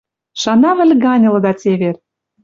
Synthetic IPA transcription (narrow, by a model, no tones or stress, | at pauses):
ʃɑnɑβɘ̆lʲɡɑnʲɤ̆lɤ̆d̪ɑt͡sʲeβer